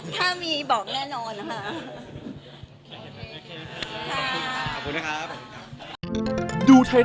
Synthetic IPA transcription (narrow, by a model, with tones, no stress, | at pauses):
t̪ʰaː˥˩miː˧bɔː˨˩k̚nɛː˥˩nɔː˧nːa˦˥kʰa˥˩ʔ | kʰa˥˩a˩˨˩u˧na˧kʰ | duː˧t̪ʰa˧j